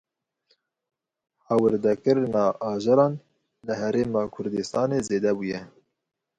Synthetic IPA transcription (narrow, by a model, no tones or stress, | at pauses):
hɑːwəɾd̪ɛkɨɾnɑʔɑːʒɑɾɑːn | lɨɦɛɾeːmɑːkʰʊɾd̪ɨst̪ɑːneːzeːd̪ɛbuːjɛ